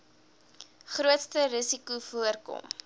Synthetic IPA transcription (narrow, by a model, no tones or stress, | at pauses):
χruətstəɾəsikufuərkɔ̰m